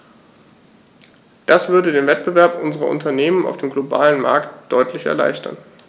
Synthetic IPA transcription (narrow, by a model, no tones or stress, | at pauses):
d̥asv̥ʏɐdədeːnvɛt̚b̥əvɛɐpʔʊnzəʁɐ̰ʔʊ̰ntɐneːməna̰ʊfd̥eːmɡloba̰ːlənma̰ɐktd̥ɔʏtʰlɪçɛ̰ɐla̰ɪçtʰɐ̰n